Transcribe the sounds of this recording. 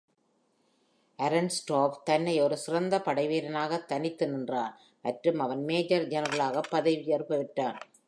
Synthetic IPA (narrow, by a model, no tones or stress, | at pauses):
ʔɐɾɐnsʈoːʋt̪ɐnːɐjɔɾɯsɪrɐnd̪ɐpɐɽɐɪʋeːɾɐnaːɣɐt̪ːɐnɪt̪ːɯnɪndraːn | mɐʈrɯmɐʋɐnmeːd͡ʒɐɾd͡ʒɐnɐɾɐɭaːɣɐpːɐðɐɪʋɪjɐɾɯpːɐʋɪʈːaːn